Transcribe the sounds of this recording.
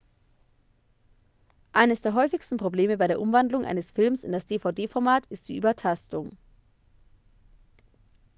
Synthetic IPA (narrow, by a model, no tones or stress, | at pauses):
ʔaɪnəsd̥eːɐɦɔʏfɪçstn̩pʁ̥obleːməbaɪɾeːɐʔʊmvandlʊŋʔa̰ɪnəsfɪlmsɪ̰ndasd̥eːfaʊdeːfɔɐmaːtɪst̚d̥iːʔy̰ːbɐtʰastʊŋ